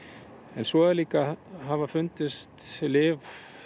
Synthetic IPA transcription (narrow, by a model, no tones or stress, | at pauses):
ɛnsvɔːaliːkaɦavafʏnt̪ɪst̪lɪːv